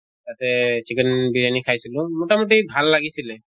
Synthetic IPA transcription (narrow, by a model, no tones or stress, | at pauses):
tatɛsʰikənbiɹanikʰajsilʊ̃mɔtamɔt̬ibʱalːaɡisilɛ